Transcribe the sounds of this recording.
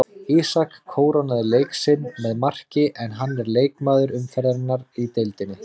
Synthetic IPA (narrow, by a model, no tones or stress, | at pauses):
isakʰːoːwɾanaðɪlejksɪnːmɛðmar̥cɪʔɛnɦanːɛɾleːjkmaːðʏɾʏmfɛɾðaɾɪnːaɾit̪ejlt̪ɪnːɪ